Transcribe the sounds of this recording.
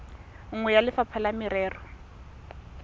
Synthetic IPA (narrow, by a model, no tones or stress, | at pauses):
ŋ̩ŋwɛjalɪfapʰalamɪɾɛːrɔ